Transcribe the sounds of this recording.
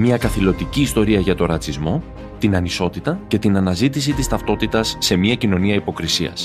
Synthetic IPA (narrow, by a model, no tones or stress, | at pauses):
mɐkɐθilo̞t̪iciːst̪o̞ɾiɐʝɐt̪o̞ɾɐt͡sizmo̞ | t̪inɐniso̞t̪it̪ɐce̞t̪inɐnɐzit̪is̬it̪ist̪ɐft̪o̞t̪it̪ɐsːe̞miɐcino̞niɐipo̞kɾisiɐ̰s